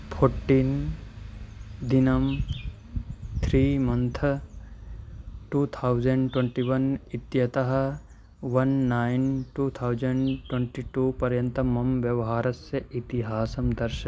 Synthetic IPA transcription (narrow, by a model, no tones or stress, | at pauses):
pʰoɾʈːin | d̪inɐm | t̪ʰɾiːmɐ̃nt̪ʰɐ | ʈuːt̪ʰawd͡ʒɐɳɖʈwẽɳʈiʋɐnit̪jɐt̪ɐɦɐ̆ | ʋɐnːaːjnʈuːt̪ʰawd͡ʒɐɳɖʈwẽɳʈiʈuːpɐɾjɐ̃nt̪ɐmɐmʋjɐʋɐɦaːɾɐsjɐʔit̪iɦaːsɐmd̪ɐɾʃɐ